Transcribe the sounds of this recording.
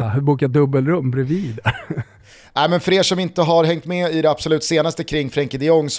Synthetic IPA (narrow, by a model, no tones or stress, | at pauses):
buːkat̪̚d̪ɵbːəlɾɵmːbɾɛviːd̪ | næɪmɛnfœɾeːʂɔmɪnt̪əɦaɾɦɛŋt̪mɛɪd̪ɛapsɔlʉ̟ːt̪seːnast̪əkʰɾɪŋːfɾɛŋkɪd̪ɪɔŋːs